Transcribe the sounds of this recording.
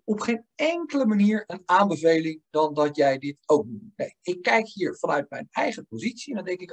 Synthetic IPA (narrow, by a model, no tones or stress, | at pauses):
ɔpχejnɛŋkələmaniːɹənaːmbəvejlɪŋdɑndɑtjɛjdɪtowk̚dunejɪkːɛjkɦiːɹv̥ɑnœɥtmɛjnɛjχəpozitsiɛndɑndɛŋkɪk